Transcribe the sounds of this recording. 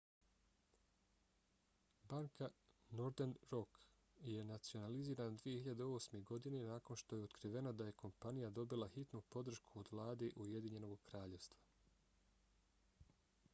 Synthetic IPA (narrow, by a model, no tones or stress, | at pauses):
baŋkanoɾd̪enɾo̞k | je̞nat̪sio̞naliziːɾanad̪ʋije̞hiʎad̪eo̞ːsme̞ɡo̞d̪ine̞naːko̞nʃt̪o̞je̞ot̪kɾiʋe̞nad̪aje̞kʰo̞mpanijad̪o̞bilˠaxit̪nupo̞d̪r̩ʃkʰuod̪ʋlˠaːd̪e̞ʔuje̞d̪iɲe̞no̞ɡkɾaːʎe̞ʋst̪ʋa